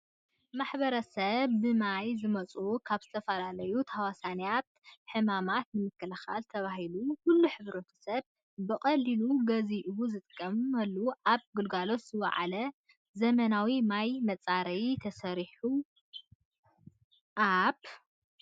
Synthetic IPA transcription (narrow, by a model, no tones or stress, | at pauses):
maħbɐɾɐsɐβːɨmajzɨmɐt͡sʼukʰaβzɨt̪ʰɐfɐlalɐjut̪ʰawasanijat̪̚ħɨmamat̪nɨmɨkːɨlɐxa̰lt̪ʰɐβaɦilukulːuħɨβɾɐt̪ʰo̥sɐβː | ɨkʼɐlːiluɡɐziʔɨβuzɨt̪ʼɨkʼːɐmɐlːuʔaβɡɨlɡalo̞t̪z̥ɨwa̰ʕa̰lɐ | zɐmɐnawimajmɐt͡sʼaɾɐjt̪ʰɐsɐɾiħu | ʔaβ